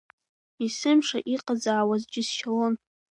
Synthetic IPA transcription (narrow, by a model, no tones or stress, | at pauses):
isɨmʂa̰ʔiqʼad͡zaʕawazd͡ʒɪsʃalon